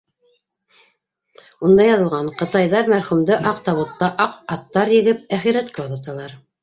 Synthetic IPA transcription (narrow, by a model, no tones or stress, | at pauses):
und̪ɑjɑðɤ̆lˠʁɑɴqɤ̆t̪ɑjðɑɾmæɾχʉmd̪ɘʔɑq̚t̪ɑβŭt̪ːɑʔɑqɑt̪ːɑɾjɘ̆ɡɘp̚æχiɾæt̪̚kæoðɑt̪ɑlˠɑɾ